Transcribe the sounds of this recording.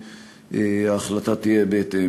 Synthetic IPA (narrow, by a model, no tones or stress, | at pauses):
aχlat̪at̪ijɛbet̪e